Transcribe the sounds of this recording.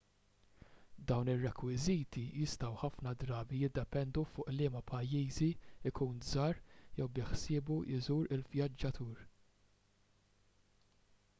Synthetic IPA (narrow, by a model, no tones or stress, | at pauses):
d̪ɐwnɪrːɛkwɪziːt̪ijɪst̪ɐwħɐfnɐd̪ɾɐːbijɪd̪ːɛpɛnd̪ufʊːʔlɪːmɐpʰɐjːiːziɪkʰuːnzɐːɾjɛwbɪħsɪːbujɪzuːɾɪlvjɐd͡ʒːɐt̪ʰuːɾ